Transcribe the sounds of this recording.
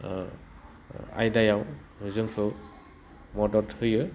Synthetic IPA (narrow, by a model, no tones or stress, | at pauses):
a̰jdajaw | huzɯŋsʰɯ | mɔdɔɾthɯjɯ